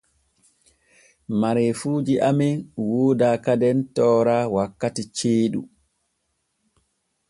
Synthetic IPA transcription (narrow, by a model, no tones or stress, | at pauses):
maɾɛfuːd͡ʒiʔaminwoːdaːkadɛntɔːɾaːwakːatit͡ʃeːɗṵ